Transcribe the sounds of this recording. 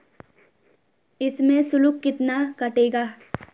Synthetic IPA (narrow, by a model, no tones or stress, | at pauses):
ɪsmẽsʊlʊkːɪt̪nakɐʈeːɡaː